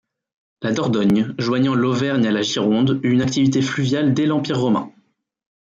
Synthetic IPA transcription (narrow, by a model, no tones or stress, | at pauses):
lad̪ɔʁd̪ɔɲʒwaɲɑ̃lovɛʁɲalaʒiʁɔ̃d̪ynak̚t̪ivit̪eflyvjald̪ɛlɑ̃piʁːɔmɛ̰̃